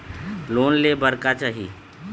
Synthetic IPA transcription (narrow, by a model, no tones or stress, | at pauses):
loːnlebəɾkat͡ʃaːɦḭ